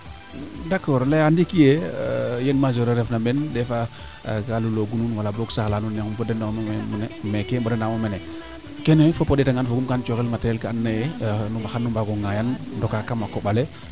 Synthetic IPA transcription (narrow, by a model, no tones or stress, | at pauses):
dakːɔɾlajandikijejenmazoɾeɾefnabendefa | kaluloɡununwalaboksaxlanunːekumbodenammnemekembodenamomene | kenefopodetaŋanfoɡumkant͡ʃoɣilmateɾelkaanːajenumbaxanːumbaɡuŋajandokakamakoɓale